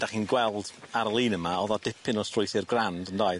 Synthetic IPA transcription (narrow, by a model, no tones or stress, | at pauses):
d̥aχiːnɡwɛlˠd̥aɾəlˠiːnəmaɔðɔdɪpʰɪnɔstrʊjθɪrɡrandəndaːɨ